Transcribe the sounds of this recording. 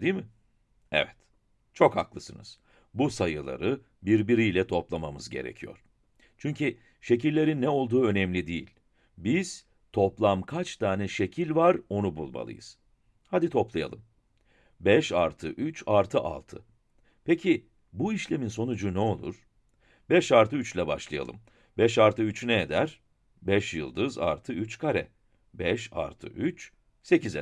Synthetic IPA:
d̪imɪ | ɛ̰vɛt̪ | t͡ʃʰo̞kha̰klˠɯsɯnɯ̰z̥ | busajɯlˠa̰ɾɯ | biɾbiɾijlʲɛt̪ʰo̞plˠamamɯzɟe̞ɾḛcʰijo̞̰ɾ̥ | t͡ʃʰyɲcʰi | ʃe̞cilːʲe̞ɾinːɛo̞lˠd̪uːø̞nɛmlʲid̪ijḭlʲ | biz̥ | t̪ʰo̞plˠamkʰat͡ʃt̪ʰaːnɛʃe̞cʰilʲvaɾo̞nubulˠma̰lˠɯ̰jɯ̰z̥ | had̪it̪ʰo̞plˠaja̰lˠɯm | bɛʃaɾt̪ʰɯʔyt͡ʃaɾt̪ʰɯʔa̰lˠt̪ʰɯ̰ | pecʰi | buiʃlʲe̞minso̞nud͡ʒunɛo̞lˠṵɾ̥ | bɛʃaɾt̪ɯyt͡ʃlʲɛba̰ʃlˠaja̰lˠɯ̰m | bɛʃaɾt̪ɯyt͡ʃynɛed̪æɾ | bɛʃjɯ̰lˠd̪ɯza̰ɾt̪ʰɯyt͡ʃkʰaɾɛ̰ | bɛʃa̰ɾt̪ʰɯ̰ʔyt͡ʃ | se̞cʰize

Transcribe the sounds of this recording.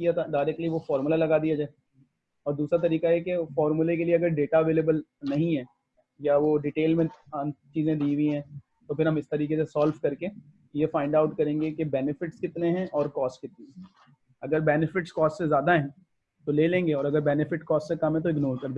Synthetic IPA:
kijat̪ʰaɖaːɪɾɛk̚ʈliʋofɔːɾmʊlalɐɡaːd̪ijad͡ʒaːe | ɔːɾd̪uːsɾat̪ɐɾiːkajɛkefɔːɾmulek̬elieɐɡəɾɖeːʈaɐʋeːleːbəlnɐɦĩɦɛ̃ː | jaʋoɖiːʈeːlmẽat͡ʃiːzẽd̪iːɡĩɦɛ̃ | t̪opʰɪɾɦɐmɪst̪ɐɾiːkes̬esɔːlfkɐɾke | jefãːɪ̃ɳɖaʊʈkɐɾẽːŋɡekebɛːnɪfɪʈskɪt̪neɦɛ̃ʔɔːɾkɔːsʈkɪt̪niɦɛ̃ | ɐɡəɾbɛːnɪfɪʈskɔːsʈsezjaːd̪aɦɛ̃ | t̪oleːlẽːŋɡeɔːɾɐɡəɾbɛːnɪfɪʈkɔːsʈsekɐmɦɛ̃t̪oɪɡnoːɾkɐɾd̪eː

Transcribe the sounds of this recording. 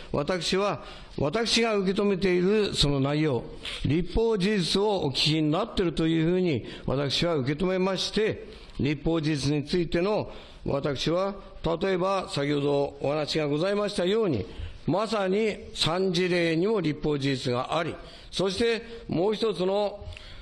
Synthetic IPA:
βat̪akɯ̟̥ɕiβa | βat̪akɯ̟̥ɕiɡaɯ̟k̬e̞t̪o̞me̞t̪e̞iɾɯ̟so̞no̞naijo̞ː | ɾʲipːo̞ːd͡ʑiʑit͡sɨo̞o̰kʲi̥kʲinnat̪ːe̞ɾɯ̟t̪o̞jɯ̟ːɸɯ̟ːɲ̟iβa̰t̪akɯ̟̥ɕiβaɯ̟ke̞t̪o̞me̞maɕi̥t̪e̞ | ɾʲipːo̞ːd͡ʑiʑit͡sɨɲ̟it͡sɨit̪e̞no̞ | βa̰t̪akɯ̟̥ɕiβa | t̪at̪o̞e̞basakʲoho̞d̪o̞ːhanaɕiɡaɡo̞zaimaɕi̥t̪ajo̞ːɲ̟ḭmasaɲ̟isãɲ̟d͡ʑiɾe̞ːɲ̟imo̞ɾʲipːo̞ːd͡ʑiʑit͡sɨɡa̰ʔaɾʲi | so̞ɕi̥t̪e̞mo̞ːçit̪ot͡sɨno̞

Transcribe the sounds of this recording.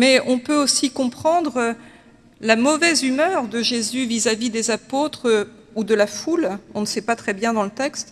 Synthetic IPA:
mɛɔ̃pøosikɔ̃pχɑ̃d̪ʁ | lamɔvɛzymœʁd̪əʒezyvizavid̪ezapot̪χ | ud̪əlafulɔ̃nəsɛpat̪χɛbjɛ̃d̪ɑ̃lət̪ɛkst̪

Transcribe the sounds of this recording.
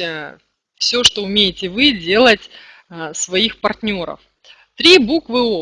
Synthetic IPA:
fsʲoʂt̪oʊmʲejɪtʲɪvɨdʲe̞lˠətʲ | svɐixpɐrtʲnʲo̞ɾə̰f | t̪ɾʲibukvɨo

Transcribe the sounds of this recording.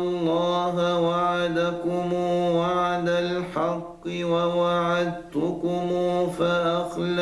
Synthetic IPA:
lˤːɑːɦawaʕad̪akʊmuːwaʕad̪alħɑqːɪwawaʕad̪̚t̪ʊkʊmuːfaʔaxl

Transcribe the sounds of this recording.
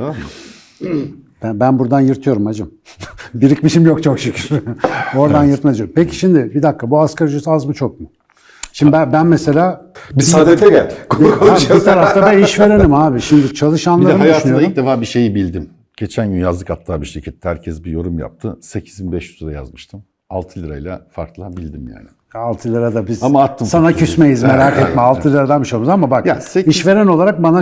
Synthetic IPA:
ama | b̥æbænbuɾd̪anjɯɾt̪ʰɯjo̞ɾumhad͡ʒɯm | biɾicʲmiʃimjokt͡ʃʰo̞kʃycʰiɾo̞ɾd̪anjɯɾt̪majoɾmpʰecʰi̥ʃimd̪ɪbid̪akːabuaskaɾd͡ʒysazmɯt͡ʃʰo̞k̚mʊ | ʃimd̪æbænmese̞lʲaːbisad̪et̪ʰɛɡælʲkoait̪ʰaɾaft̪abɛniʃve̞ɾe̞nimaːbiʃimd̪it͡ʃʰalˠɯʃanlˠaɾɯmajaʃʃnyjoic̚d̪efaːbiʃe̞jibilʲd̪im | ɟ̥e̞t͡ʃʰænɡynjazlˠɯkat̪ʰːaːbiʃicʰɛt̪ʰːɛhæɾcʰɛsbijo̞ɾumja̰p̚t̪ʰɯsecʰi̥zinbɛʃy̥t̪ʰud̪aja̰zmɯʃt̪ʰɯm | alˠt̪ʰɯlʲiɾajlʲˠa̰faɾklˠabilʲd̪imja̰ːnɪ | alˠt̪ʰɯlʲiɾad̪abizamaat̪ʰːɯsanacʰysmejizmeɾaːkɛt̪mɛalˠt̪ʰɯlʲɾad̪anmiʃt͡ʃalˠmuzamabakseiʃve̞ɾenolˠaɾak̚bana

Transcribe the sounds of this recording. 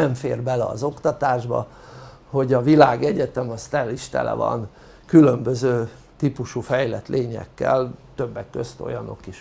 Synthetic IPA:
ɛɱfeːrbɛlɛɒ̰zo̞kt̪ɒt̪aːʒbɒ̰ | ho̞ɟɒvilaːɡɛɟɛt̪ɛmɒst̪ɛliʃt̪ɛ̰lɛ̰vɒ̰n | kylø̞mbøzøː | t̪ipuʃufɛjlɛt̪lʔeːɲɛ̰kːɛlt̪ø̞bːɛkːøst̪o̞̰jɒno̞̰kiʃ

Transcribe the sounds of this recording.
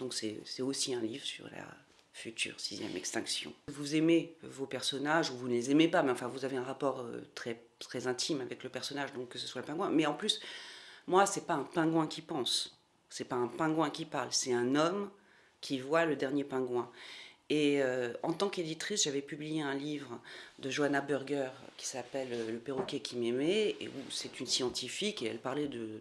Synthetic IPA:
d̪̥ɔ̃ksɛsɛt̪osiɛ̃livʁəsy̰ʁla̰ | fyt̪ʰy̰ʁsizjɛ̰mɛ̰kst̪ɛ̃ksjɔ̰̃vuzemevopɛʁsɔnaʒuvunlezemepamɛɑ̃fɛ̃vuzaveɛ̃ʁapɔʁø̰t̪χɛ | t̪χɛzɛ̃t̪ʰimavɛkləpɛʁsɔnaʒd̪ɔ̃kːəsəswaləpɛ̃ɡwɛ̃mɛɑ̃plysmwasɛpaɛ̃pɛ̃ɡwɛ̃kʰʲipɑ̃sː | ɛpaɛ̃pɛ̃ɡwɛ̃kʲipaʁlsɛt̪ɛ̃nɔm | kʲivwaləd̪ɛʁnjepɛ̃ɡwɛ̃eøɑ̃t̪ɑ̃ked̪it̪χisʒavɛpyblijeɛ̃livʁd̪əʒoanabyʁɡʲœʁkʲi̥sapɛløləpeʁɔkʲɛkʲʰimɛmɛḛṵsɛt̪ynsjɑ̃t̪ʰifikeɛ̰lpaʁlɛd̪ə

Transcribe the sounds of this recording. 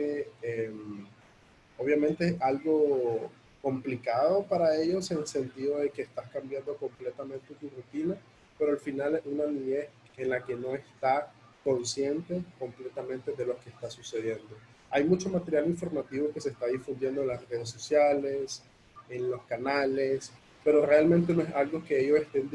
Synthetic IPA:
eem | oβ̞jamẽnt̪e̞esalɣo̞ | ko̞mplikaðo̞paɾae̞ʝo̞senelse̞nt̪iðo̞ðe̞ke̞ːst̪askambjand̪o̞ko̞mple̞t̪amẽ̞nt̪et̪urut̪ina | pe̞ɾoalfinalesunaniɲe̞ | enlake̞no̞e̞st̪a | ko̞nsje̞nt̪e̞ko̞mple̞t̪amẽnt̪e̞ðe̞lo̞kest̪asuse̞ðje̞nd̪o̞ | ajmut͡ʃo̞mat̪e̞ɾjaliɱfo̞ɾmat̪iβo̞ke̞se̞ːst̪aðifund̪je̞nd̪oenlasreð̞esːo̞sjale̞s | enlo̞skanale̞s | pe̞ɾo̞re̞almẽnt̪̬e̞noesalɣo̞keeʝo̞se̞st̪e̞n

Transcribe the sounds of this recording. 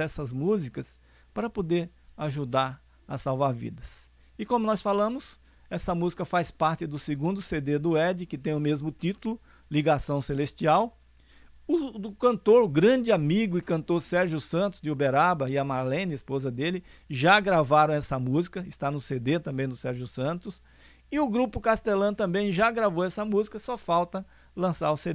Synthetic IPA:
ɛsɐzmuzikɐs | paɾɐpod̪eɾ | aʒud̪aɾ | ɐsawvaɾvḭd̪ɐs | ɪkõmʊnɔsfalɐ̃mʊs | ɛsɐmuzikɐfajspaɾt̪ɪd̪ʊseɡũnd̪ʊsed̪ed̪ʊɛd͡ʒɪkɪt̪ẽj̃ʊmezmʊt̪it̪ʊlʊ | liɡasɐ̃w̃selest͡ʃiaw | ʊʊkɐ̃nt̪oɾɡɾɐ̃d͡ʒɪamiɡʊɪkɐ̃nt̪oɾsɛɾʒjʊsɐ̃nt̪ʊz̥d̪ɪubeɾabɐɪɐmaɾlẽnispozɐd̪elɪʒaɡɾavaɾɐ̃w̃ɛsɐmuzikɐɪst̪anʊsed̪et̪ɐ̃mbẽj̃d̪ʊsɛɾʒʊsɐ̃nt̪ʊs | ɪʊɡɾupʊkast̪elɐ̃t̪ɐ̃mbẽj̃ʒaɡɾavoɛsɐmuzikɐsɔfawt̪ɐ | lɐ̃saɾʊsed̪e

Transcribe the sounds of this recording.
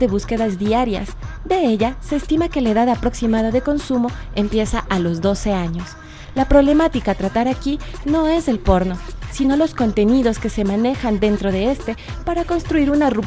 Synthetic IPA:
ðe̞βuske̞ðazðiaɾja̰sd̪e̞e̞ʝase̞ːst̪imake̞lae̞ðaðapɾo̞ksimað̞aðe̞ko̞nsumo̞e̞mpje̞saʔalo̞zðo̞se̞aɲo̞s | lapɾo̞βle̞mat̪ikat̪ɾat̪aɾaki | no̞e̞zðe̞lpo̞ɾno̞sino̞lo̞sko̞nt̪e̞niðo̞ske̞se̞mãne̞xand̪e̞nt̪ɾo̞ðe̞e̞st̪e̞paɾako̞nst̪ɾuiɾunarup

